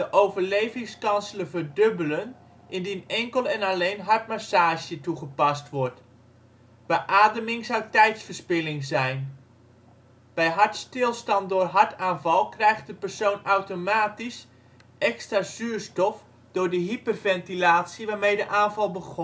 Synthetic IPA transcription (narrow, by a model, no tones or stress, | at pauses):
d̥əʔowvərlejvɪŋskɑnsələvəɹdøbələn | ʔɪndinɛŋkəlˠɛnalejnɦɑɹt̚masaːʒjətuχəpɑstʋɔɹt | b̥əʔaːdəmɪŋzawtɛjtsfərspɪlɪŋzɛjn | b̥ɛjɦɑɹtstɪlˠstɑntdʊːrɦɑɹtaːnvɑlˠkrɛjxt̚dəpərsoːwnawtomaːtis | ʔɛkstrazyːɹstɔf | d̥ʊːɹdəɦipərvɛntilaːtsiʋaːɹmejdəʔaːnvɑlˠbəɣɔ